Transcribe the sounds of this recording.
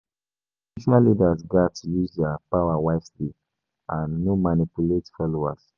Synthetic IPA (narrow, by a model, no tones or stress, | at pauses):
iʃɔnalːidazɡatjuzdapawawaɪsli | ʔãnːomanipjuletfɔloa̰z̥